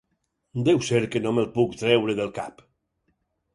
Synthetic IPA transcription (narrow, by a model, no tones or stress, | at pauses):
d̪ewseɾkenomelˠpukt̪ɾɛwɾeðelˠkap